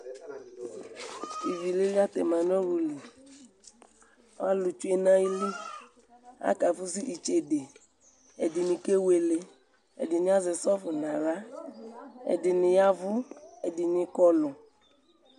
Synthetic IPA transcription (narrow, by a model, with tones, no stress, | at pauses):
i˨vi˨le˦li˦a˦t̪ɛ̰˨mã˨nɔ̃˦ɾu˨li˨˦ | a˦lu˨t͡ʃu˦e˨nã˦ji˦li˦ | a̰˦ka˨fu˦si˦ʔi˨t͡ʃe˨de˨ | e˨dɪ˨nĩ˨ke˦we˨le˨ | ḛ˨dɪ˨ɲ˦a˦ze˨sɔ˦fʊ˨nã˨la˦ | ḛ˨dɪ˨nɪ̃˨ja˦vu˦e˨di˨ɲɪ̃˨˦kɔ˦lʊ˨